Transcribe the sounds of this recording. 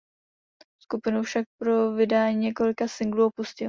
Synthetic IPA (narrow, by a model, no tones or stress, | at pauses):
skupɪnufʃak̚pɾo̞vɪdaːɲiːɲɛko̞lɪkasɪŋɡluopuscɪl